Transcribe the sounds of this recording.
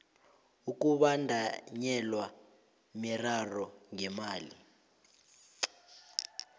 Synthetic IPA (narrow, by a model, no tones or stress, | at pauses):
uk̬uɓandʱaɲɛlwa | mɛrarɔŋɛmaːlḭ